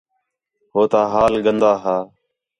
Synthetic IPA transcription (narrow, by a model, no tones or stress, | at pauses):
hoːt̪aːɦaːlɠənd̪aːɦaː